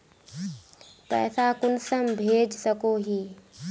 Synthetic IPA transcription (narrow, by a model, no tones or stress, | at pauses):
pɛ̰ːsakʊnsəmbʱeːd͡ʒsəkoɦiː